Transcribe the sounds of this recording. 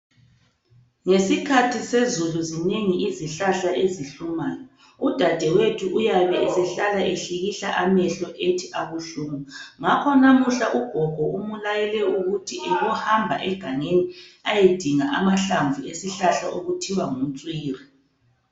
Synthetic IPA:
ŋesikʰatʰisezuluzineŋiiziɬaɬaʔeziɬumaːjɔ | ud̥ʱad̥ʱɛwetʰuʔujaβɛːsɛɬalaʔeɬiɣiɬaʔamɛɬɔʔetʰiʔaɣuɬuːmuŋakʰɔnamuɬaʔuɡ̥ʱɔɡ̥ʱɔumulajɛlɛuɣutʰiʔɛɣɔhambʱa̰ʔɛɡ̥ʱaŋeniajed̥ʱiŋaʔamaɬaɱvuesiɬaɬa̰ʔoɣutʰiwaŋumt͡sʼwiːri

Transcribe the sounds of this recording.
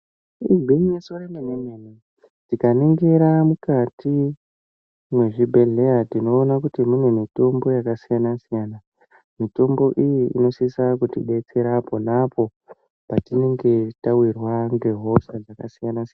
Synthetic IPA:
ibʱiŋnesoɾenemenene | tikaniŋɡeɾamukatʰi | mwe̞ʐibʱe̞ɮe̞jatino̞ːnakutimunemito̞mbo̞jakasijanasijaːna | mito̞mbo̞ʔijiḭno̞sisakutḭɗe̞t͡se̞ɾapo̞napo̞ | patine̞ŋɡe̞tawirwaŋɡe̞ɦo̞sad͡zakasijanasian

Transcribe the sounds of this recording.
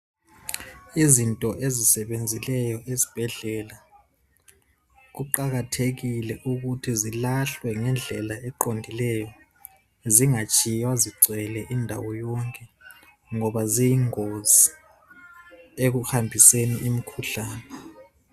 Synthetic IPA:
izintʼɔʔezisɛɓend͡zʱilɛjɔʔezi̥b̥ʱɛɮɛla | k̬uǃak̬atʰek̬ilɛʔuk̬utʰizilaɬwɛŋɛnd͡ɮʱɛlaɛǃondʱilɛjɔ | ziŋat͡ʃʼijwaziɡ͡ǀʱwɛlɛʔindʱawɔjɔŋkʼɛ | ŋɔɓazijiŋozi | ek̬uxambʱiseniʔimikʰuɬaːnɛ

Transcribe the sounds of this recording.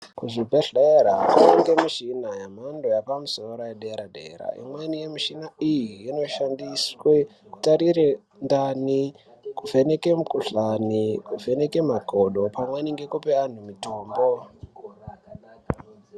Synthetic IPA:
kuʐibʱeɬeɾakaniŋɡe̞miʃinajam̤andojapamusoɾojeɗeɾadḛːɾa̰ḭmwenije̞miʃinaijiːno̞ʃandisweku̥taɾire | ndani | kuvʱenekemukuɬanikuvʱe̞nekemaɡʱoɗo̞pamweniŋɡe̞kupean̤umitoːmbo

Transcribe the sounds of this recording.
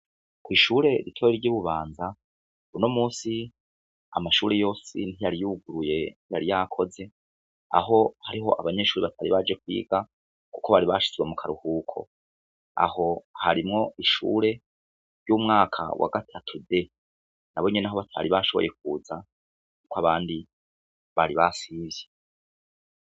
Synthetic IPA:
kwiːʃuːɾe̞ɾitʰoɾɾɟiβuβaːnza | unomuːsi | a̰maʃuːɾejo̞ːsḭnijaɾijuɡuɾuje̞n̥hijaɾijakʰo̞ze̞ | a̰ɦo̞haɾiɦo̞̰ʔa̰βaɲe̞ːʃuːɾiβatʰaɾiβad͡ʒe̞kwḭːɡa | ku̥ko̞βaɾiβaʃi̥zwemukʰaɾuhuːkʰo̞̰ | a̰ho̞haɾimŋo̞iʃṵːɾe̞ | ɾjuːmŋaːkʰa̰wʔa̰ɡatʰatʰude̞ | naβo̞ɲenaɦo̞βatʰa̰ɾiβaʃo̞βoje̞k̚uːza | kukaβaːndi | βaɾiβasiːvje

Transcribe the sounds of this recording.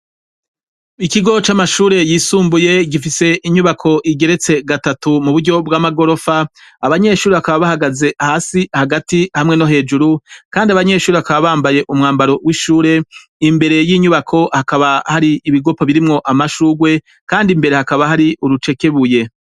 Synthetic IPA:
ikiɡo̞t͡ʃamaʃuːɾe̞jiːsuːmbuje̞ɡifise̞ʔiɲuβakʰo̞ʔiɡe̞ɾe̞t͡se̞ɡatatumuβuɾɟo̞bɡwaːmaɡo̞ɾo̞faaβaɲe̞ʃuːɾeβakaβaβahaɡaze̞hasihaɡatihamŋe̞no̞ɦe̞ːd͡ʒuɾukaːndiaβaɲe̞ːʃuːɾeβakaβaβaːmbaje̞ʔumŋaːmbaɾo̞wʔiʃuːɾe̞ | imbe̞ɾe̞jiɲuβakʰo̞hakaβahaɾiːβiɡo̞poβiɾimŋo̞ʔamaʃuːɡwe̞ | kaːndimbe̞ɾe̞hakaβaɦaɾiʔuɾut͡ʃe̞ke̞βuje̞

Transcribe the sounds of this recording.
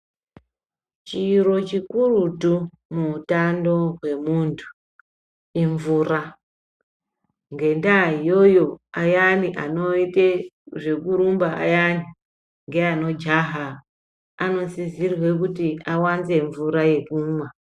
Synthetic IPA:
t͡ʃiro̞t͡ʃikurutu | muutando̞ɦwe̞muːntʰu̥ | iɱvuːra | ŋɡe̞ndaijo̞jo̞ajaniʔano̞iteʐe̞kuɾumbaʔa̰jani | ŋɡe̞ano̞d͡ʒaɦa | ano̞sizirwe̞kutiawanze̞ɱvuɾaje̞kuːma

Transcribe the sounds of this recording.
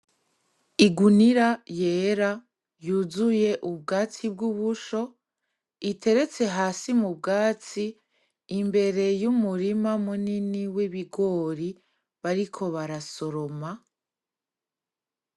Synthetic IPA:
iɡuniɾaje̞ːɾa | juːzuje̞ʔub̚ɡaːt͡sib̚ɡuβuʃo̞ | itʰe̞ɾe̞t͡se̞ɦaːsimub̚ɡaːt͡siː | mbe̞ɾe̞jumuɾimamuniniwiβiɡo̞ɾi | βaɾikʰo̞βaɾaso̞ɾoma

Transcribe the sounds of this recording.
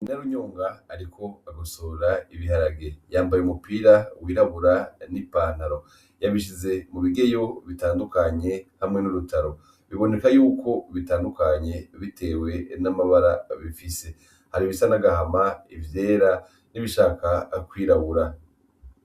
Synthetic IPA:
inaɾuɲoːŋɡaːɾikʰo̞aɡasoːɾaiβiɦaɾaɡe̞jaːmbajeumupiːɾawiːɾaβuɾanipaːn̥haɾo̞ | jaβiʃ̬ize̞muβiɡe̞jo̞βitaːndukaɲe̞hamŋe̞nuɾutʰaɾo̞ | βiβo̞ne̞kajuːkʰo̞βitaːndukaɲe̞βite̞ːwe̞namaβaɾaβifise̞ | haɾiβisanaɡahamaivje̞ːɾa | niβiʃaːkakwiːɾaβuɾa

